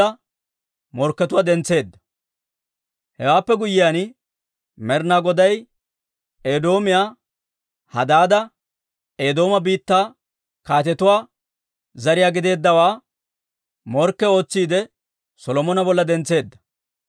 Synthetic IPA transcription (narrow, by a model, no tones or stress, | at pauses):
ɐ | mɔɾkːɛt̪ʊwaːd̪ɛnt͡sːe̞ːd̪ːɐ | hɛwaːpːɛɡʊjːɪjan | mɛɾnaɡɔd̪ɐj | eːd̪o̞ːmɪjaː | hɐ̰d̪aːd̪ɐ | eːd̪o̞ːmɐbiːt̪ːaː | kaːt̪ɛt̪ʊwaː | zɐɾɪjaːɡɪd̪e̞ːd̪ːɐwaː | mɔɾkːɛo̞ːt͡sːiːd̪ɛ | sɔlɔmɔnɐbɔlːɐd̪ɛnt͡sːe̞ːd̪ːɐ̥